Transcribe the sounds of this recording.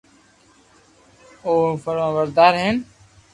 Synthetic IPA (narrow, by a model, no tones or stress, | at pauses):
oːfəɾʋãːʋəɾd̪aːɾɦeːn